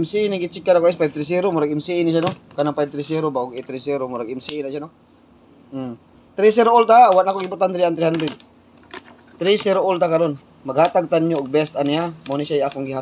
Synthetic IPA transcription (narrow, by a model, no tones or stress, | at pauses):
msiɪnɪɡɪt͡ʃɪkːanakːɪspajb̚t̪ɾɪs̬iɾomʊɾaɡɪmsiʔɪnɪʃanokanaŋpajb̚t̪ɾɪsiɾobaʔoɡɪt̪ɾisiɾomʊɾaɡɛmsiɪnaʃano | t̪ɾis̬iɾoʔʊlt̪awanakoɡɪmpʊɾt̪ant̪ɾijant̪ɾɪhand̪ɾɛd̪̚ | t̪ɾisiɾoʔʊlt̪̬akɐɾon | mɐɡ̚haːt̪aɡ̚t̪anɲoʔʊɡ̚bɛst̪anɪjamonɪsajʔakoŋɡɪɦa